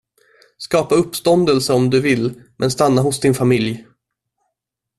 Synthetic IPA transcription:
skɑːpaɵpːst̪ɔnd̪əlsəɔmd̪ɵvɪlːmʔɛnst̪anːaɦʊsd̪ɪnfamɪlj

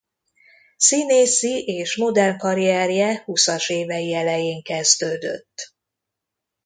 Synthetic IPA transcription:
sineːsiʔeːʃmod̪ɛrŋkɒɾiɛrjɛhusɒʃeːvɛjiɛlɛjeːŋkɛzd̪øːd̪ø̰t̪ː

